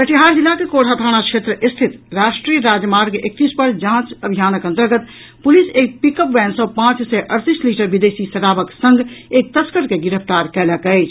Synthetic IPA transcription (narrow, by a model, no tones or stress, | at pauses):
pɐʈiɦaːɾd͡ʒɪlːakekoːʈʰat̪ʰaːɽ̃akʃeːt̪ɾəʔɪst̪ʰɪt̪ɾaːʃʈɾiːəɾaːd͡ʒmaːɾɡek̚t̪iːspəɾd͡ʒãːt͡ʃɐbʱijaːnəkɐ̃nt̪əɾɡət̪ | pʊliseːk̚pɪkəpʋɛːnsɔpãːt͡ʃsɛʔɐɾt̪iːsliːʈəɾbɪd̪eːsisɐʈaːʋəksə̃ŋɡeːk̚t̪ɐskəɾkeɡɪɾəft̪aːɾkɛːlakɐeːt͡ʃʰ